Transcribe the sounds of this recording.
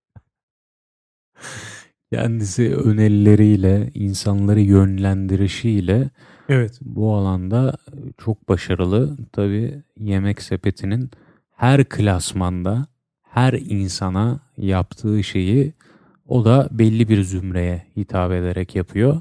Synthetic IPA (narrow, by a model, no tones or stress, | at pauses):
cʰæ̰nd̪isiø̞̰nelʲilʲe̞ɾijlʲɛinsanlˠaɾɯjø̞nlʲænd̪iɾiʃijlʲɛ | evɛt̪bualˠand̪at͡ʃʰo̞k̚baʃaɾɯlˠɯt̪ʰabiːje̞mɛcse̞pʰe̞t̪ʰinin | hæɾkʰɯlʲasmand̪a | hæɾinsanajapt̪ʰɯːʃe̞ji | o̞d̪abɛlʲːibiɾzymɾe̞jɛhit̪ʰaːbe̞d̪eɾɛcjapʰɯjo̞